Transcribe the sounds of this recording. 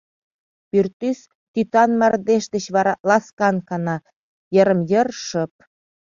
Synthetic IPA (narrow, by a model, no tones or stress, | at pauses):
pyrt̪ys | t̪yt̪ɑnmærd̪eʃd̪ə̆t͡ɕβɑɾɑlɑskɑnkɑnɑ | jəɾə̆mjərʃəp̚